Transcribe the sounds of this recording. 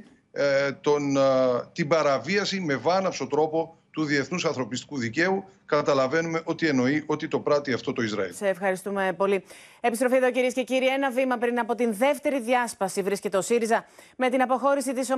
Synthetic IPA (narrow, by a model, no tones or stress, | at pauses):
t̪ont̪ibɐɾɐviɐsime̞vɐnɐpso̞t̪ɾo̞po̞t̪uðie̞θnusɐnθɾo̞pist̪i̥kuðice̞u | kɐt̪ɐlɐve̞nume̞ʔo̞t̪ie̞no̞iʔo̞t̪it̪o̞pɾɐt̪iɐft̪o̞t̪o̞izɾɐḭlseːfxɐɾist̪ume̞po̞liepist̪ɾo̞fieðociɾie̞sce̞ciɾie̞nɐvimɐpɾinɐpo̞t̪inðe̞ft̪e̞ɾiðjɐspɐsivɾisce̞t̪e̞osiɾizɐme̞t̪inɐpo̞xo̞ɾisit̪iso